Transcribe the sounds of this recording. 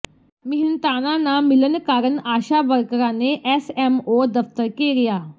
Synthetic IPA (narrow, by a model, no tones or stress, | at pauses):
mɪɦɪnt̪aːnãːnaːmɪlənkaːɾənaːʃaːʋəɾkɾãːneːʔɛːsɛːmoːd̪əft̪əɾkeːɾɪjaː